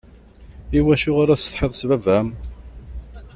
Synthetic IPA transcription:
iwæʃʊʁaɾasθħeðˤsvævæm

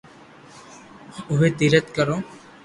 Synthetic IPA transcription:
ʊɦeːt̪iɾət̪kəɾoː

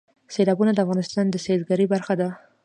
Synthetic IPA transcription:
selɑbunad̪əafɣɑnɪst̪ɑnd̪əsezɡaɾibaɾxad̪a

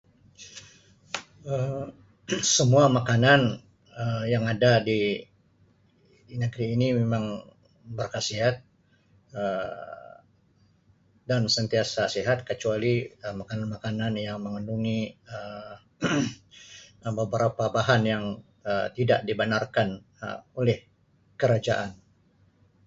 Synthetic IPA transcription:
əm | səmuamakanan | əjaŋadadi | nəɡɾiːnimemaŋ | bərkasiɦat̪̚ | ə | dansənt̪iasasiɦat̪̚kət͡ʃualiəmakananmakananjaŋməŋənduŋiə | bəbəɾapabaɦanjaŋ | ət̪ida̰ʔdibənarkan | ə̰olɛh | kəɾad͡ʒa̰ʔan

